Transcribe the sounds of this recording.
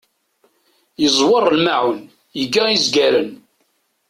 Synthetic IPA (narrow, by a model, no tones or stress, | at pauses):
jəzˤwəɾˤːlmaʕʊn | jəɡæiəzɡæɾən